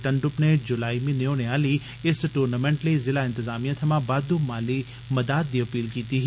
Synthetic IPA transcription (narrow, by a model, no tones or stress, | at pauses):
ʈɐ̃ɳɖʊpned͡ʒʊlaːimĩneoneaːli | ɪsʈuːɾnamẽːɳʈlizɪlaɪ̃nt̪ɪzaːmijãt̪ʰɐmãbaːd̪umaːli | mɐd̪aːt̪̚d̪iːɐpiːlkiːt̪iɦ